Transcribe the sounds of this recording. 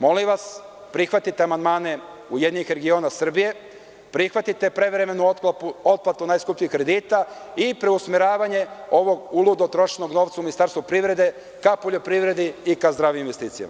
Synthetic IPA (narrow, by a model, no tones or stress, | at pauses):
mo̞liʋas | pɾixʋat̪it̪eamand̪maːne̞ | ujed̪niɲixɾe̞ɡio̞nasr̩bije̞ | pɾixʋat̪it̪e̞pɾe̞ʋɾe̞me̞nupuot̪̚plat̪unaːjskupʎiixkːɾe̞d̪iːt̪aipɾe̞usmeɾaːʋaɲe̞o̞ʋo̞ɡulˠud̪ot̪ɾo̞ʃno̞ɡno̞ːʋt̪sauminist̪aːɾst̪vupɾiʋɾe̞d̪e̞ | kapo̞ʎo̞pɾiʋɾe̞d̪iikazd̪ɾaːʋiminʋe̞st̪iːt̪ija̰ma